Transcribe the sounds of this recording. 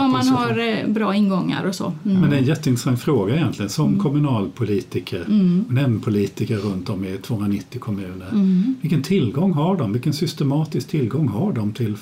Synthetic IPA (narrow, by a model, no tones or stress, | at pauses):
ɔmːanhaɾbɾɑːɪnɡɔŋːa̰ɾɔsɔ̰mɛnd̪ɛɛnjɛt̪ːəɪnɾə̥saŋt̪fɾoːɡaɛjɛnt̪ʰlɪɡənsɔmkʰɔmɵnɑːlpʰʊliːt̪ɪkʰəɾnɛmːpʰʊliːt̪ɪkəɾɾɵnt̪ɔmɪt̪ʰvoːhɵnɾanɪt̪ːɪkʰɔmʉ̟ːnəɾvɪlkːənt̪ʰɪlɡɔŋːɦaɖɔmvɪlkːənsʏst̪ɛmɑːt̪ɪskt̪ʰɪlːɡɔŋːɦaɖɔmt̪ʰɪl